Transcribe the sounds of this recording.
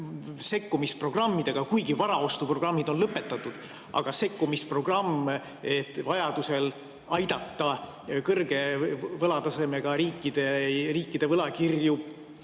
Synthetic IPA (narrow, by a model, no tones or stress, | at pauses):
se̞kːumispro̞ɡ̥rɑmːid̪̥e̞ɡ̥ɑkujɡivɑɾɑo̞st̪upro̞ɡrɑmːid̪o̞nlɤpːe̞t̪ːˑɑt̪ːˑud̪̥ | ʔɑ̰ɡ̥ɑse̞kːumispro̞ɡ̥rɑmː | et̪ːˑvɑjɑd̪̥use̞l | ɑjd̪̥ɑt̪ːɑ | kɤrɡ̥e̞vɤlɑt̪ɑse̞me̞ɡ̥ɑɾiːkːˑid̪̥e̞riːkˑːid̪̥e̞vɤlɑkirju̥